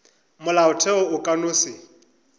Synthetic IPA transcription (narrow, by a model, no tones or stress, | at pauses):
mʊlaʊtʰɛʊʊkʼanʊːsɪ